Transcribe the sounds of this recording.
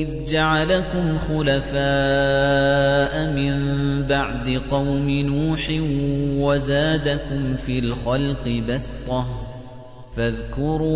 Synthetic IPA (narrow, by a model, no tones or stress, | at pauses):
ʔɪðd͡ʒaʕalakʊmxʊlafaː | ʔamɪmbaʕd̪ɪqɑwmɪnuːħɪwazaːd̪akʊmfiːlxɑlqɨbast̪ˤɑh | faðkʊɾuː